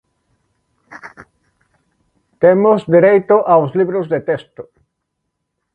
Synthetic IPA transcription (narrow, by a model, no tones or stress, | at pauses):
t̪emʊzd̪iɾejt̪ʊʔawsliβɾʊzðet̪est̪ʊ